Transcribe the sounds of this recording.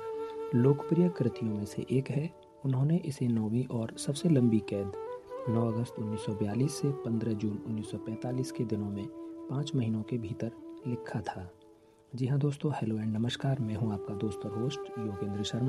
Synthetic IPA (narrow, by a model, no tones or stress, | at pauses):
loːkpɾijəkɾɪt̪ijõmẽsḛʔeːkɦɛ | ʊnɦõneʔɪsenɔːwiʔɔːɾsɐbselɐ̃mbikɛːd̪nɔːɐɡəst̪ʊnːiːsːɔbəjaːliːsːepɐ̃nd̪ɾəd͡ʒuːnʊnːiːsːɔpɛ̃ːt̪aːliːsked̪ɪnõmẽpãːt͡ʃmɐɦiːnõkebʱiːt̪əɾlɪkʰːat̪ʰaː | d͡ʒɪɦãd̪oːst̪õhɛloːɛ̃ːɳɖnɐməʃkaːɾmɛ̃ːɦũaːp̚kad̪oːst̪aɦoːsʈjoːɡẽːnd̪ɾəʃəɾma